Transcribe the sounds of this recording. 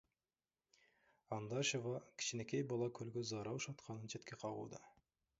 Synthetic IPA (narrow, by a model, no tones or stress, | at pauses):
ɑnd̪ɑʃevɑkʲʰɪ̥ɕɪnekʲejbɑlˠɑkʲʰɵlɡʲɪzɑɾɑwʃɑt̪qʰɑnənʃʰet̪kʲeqʰɑʁṵd̪ə̰